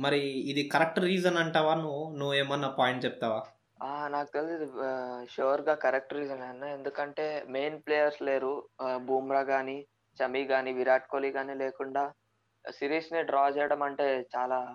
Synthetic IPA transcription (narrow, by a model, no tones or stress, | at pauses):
mɐɾiːd̪ikɐɾɐk̚ʈɾiːzɐnɐɳʈaːʋaːnunuʋeːmɐnːɐpaːjɳʈt͡ʃɛp̚t̪aːʋaː | aːnaːkut̪elisid̪iʃoːɾɡaːkɐɾɐk̚ʈɾiːd͡ʒɐnɐnːae̞nd̪ukɐɳʈe̞ːmejnplejɐɾsle̞ːɾubuːmɾaːɡaːni | t͡ʃɐmiɡaːniʋiɾaːʈ̚koːliɡaːnileːkuɳɖaː | siːɾjisneɖɾaːd͡ʒɛːjɽɐmɐɳʈe̞ːt͡ʃaːlaː